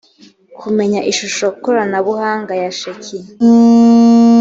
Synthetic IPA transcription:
kʰume̞ɲaʔiʃuʃokukoɾanaβuhaːŋɡajaʃeci

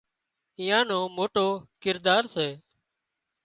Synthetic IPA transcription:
ɪ̃jãːnõːmoːʈoːkɪɾd̪aːɾseː

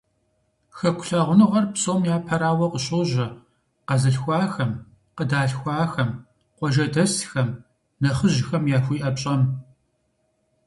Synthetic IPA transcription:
xɐkʷʊ̥ɬaːʁʷʊnɨʁɐrpsʼoːmjaːpʰɐɾaːwɐqəɕʼoːʒɐ | qɐzɨɬxʷɑːxɐm | qədaːɬxʷɑːxɐm | qʷɔʒɐdɐsxɐm | nɐχəʑxɐmjaːxʷiːʔɐpɕʼɐm

